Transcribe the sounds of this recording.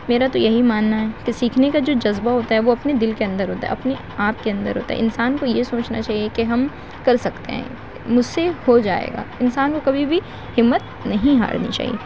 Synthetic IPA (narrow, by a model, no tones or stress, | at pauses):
meːɾat̪ojɐɦimaːnːaɦɛːkesiːkʰnekad͡ʒoːd͡ʒɐzbaɦoːt̪aɦɛʋoɐpned̪ɪlkeɐ̃nd̪əɾɦoːt̪aɦɐpne | aːp̚keɐ̃nd̪ə̰ɾɦo̰ːt̪aɦɛ̰ɪnsaːnkojesoːt͡ʃnat͡ʃaːɦiekeɦɐm | kɐɾsɐkt̪eɦɛ̰̃ː | mʊd͡ʒʱsehod͡ʒa̰ːḛːɡa̰ːɪnsaːnkokɐbʱibʱi | hɪmːət̪̚ | nɐɦĩɦa̰ːɽnḭt͡ʃa̰ːɦḭḛː